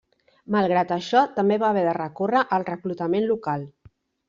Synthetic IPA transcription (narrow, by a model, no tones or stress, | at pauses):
malˠɣ̞ɾat̪əʃɔt̪əmbeβaːβɛðərəkorəʔəlˠrəklut̪əmenlukalˠ